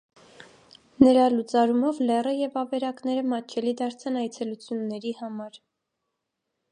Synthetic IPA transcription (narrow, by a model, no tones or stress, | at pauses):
nəɾɑlut͡sɑɾumɔvlɛrəjɛvɑvɛɾɑknɛɾəmɑt͡ʃʰɛlid̪ɑɾt͡sʰɑnɑjt͡sʰɛlut͡sʰjunːɛɾihɑmɑɾ